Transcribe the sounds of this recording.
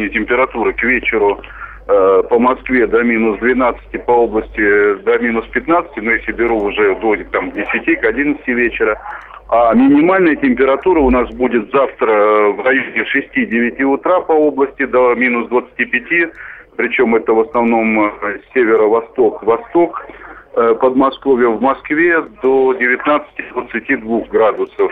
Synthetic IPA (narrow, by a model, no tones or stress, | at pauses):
nʲɪtʲɪmʲpʲɪɾɐt̪uɾɨkvʲet͡ɕɪɾʊ | pəmɐskvʲed̪amʲinʊsd̪vʲɪnat̪sɨ̥tʲɪpɐo̞blˠəsʲtʲɪd̪amʲinʊspʲɪt̪nat̪sɨ̥tʲɪnojasʲɪbʲɪɾuʊʐɛd̪oɪk̚t̪amvdʲɪsʲɪtʲikɐdʲinət̪stʲɪvʲet͡ɕɪɾə | amʲɪnʲɪmalʲnəjətʲɪmʲpʲɪɾɐt̪uɾəʊnasbudʲɪt̪zaft̪ɾəvrɐjonʲɪʂɨsʲtʲidʲɪvʲɪtʲiʊt̪ɾapɐo̞blˠəsʲtʲɪd̪ɐmʲinʊsd̪vət̪sɨ̥tʲipʲɪtʲipɾʲɪt͡ɕo̞mɛt̪əvəsnɐvno̞msʲevʲɪɾəvɐst̪o̞kvɐst̪o̞k | pəd̪mɐsko̞vʲjəvmɐskvʲed̪odʲɪvʲɪt̪nat̪sɨ̥tʲɪd̪vət̪sɨtʲid̪vuxɡɾad̪ʊsəf